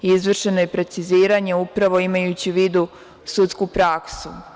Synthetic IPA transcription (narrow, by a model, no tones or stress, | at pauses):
izʋr̩ʃe̞no̞jepɾe̞t̪siziːɾaɲe̞upɾaʋo̞imajut͡ɕiʋiːd̪u | sut̪skupɾaksu